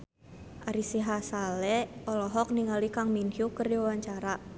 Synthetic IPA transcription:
ʔaɾisiɦasalɛʔɔlɔɦɔk̚niŋalikaŋminhjukərdiwawaɲt͡ʃaɾa

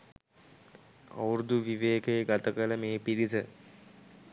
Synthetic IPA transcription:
a̰wɾud̪uʋiʋeːkeɡat̪əkələmeːpiɾisə

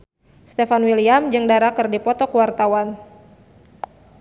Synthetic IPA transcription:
st̪efanwiliamd͡ʒɨŋdaɾakɨrdipɔt̪ɔkəwart̪awan

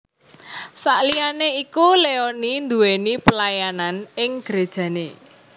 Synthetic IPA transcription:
saʔlianeikuleonind̪uwenipəlajananɪŋɡ̥ɾed̥ʒ̥ä̤nḛ

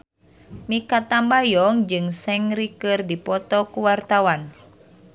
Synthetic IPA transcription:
mikat̪ambajɔŋd͡ʒɨŋsɛŋɾikɨrdipɔt̪ɔkuwart̪awan

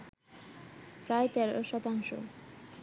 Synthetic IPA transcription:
pɾajt̪ɛɾoʃɔt̪aŋʃo̰

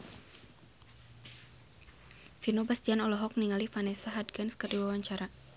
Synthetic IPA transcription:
finobasdianɔlɔɦɔk̚niŋalifanɛsaɦadɡanskərdiwawaɲt͡ʃaɾa

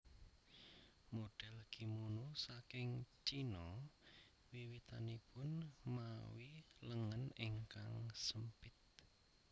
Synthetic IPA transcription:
moɖ̥ɛlɡ̥i̤munusakɪŋt͡ʃinɔ | wiwit̪anipʊnmawiləŋənɪŋkaŋsəmpɪt̪̚

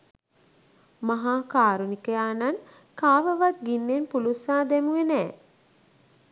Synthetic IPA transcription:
maɦaːkaːɾunikəjaːnan | kaːʋəʋat̪̚ɡinːenpulusaːd̪emuenɛː

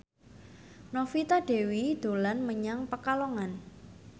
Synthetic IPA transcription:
nofit̪aɖ̥e̤wid̪̥o̤lanməɲaŋpəkaloŋan

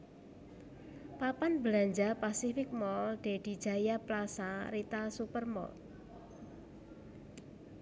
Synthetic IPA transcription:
papanbəlaɲd͡ʒapasifɪk̚mɔlɖ̥eɖ̥i̤̥d͡ʒ̥a̤japlasaɾit̪asupərmɔ̰l

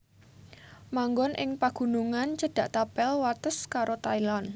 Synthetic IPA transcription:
maŋɡɔnʔɪŋpaɡ̥ṳnuŋant͡ʃəɖ̥ä̤ʔt̪apɛlwat̪əskaɾot̪ailan

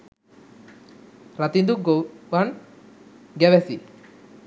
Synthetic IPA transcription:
ɾɐt̪ind̪uɡoʋɐn | ɡɛʋɛsi

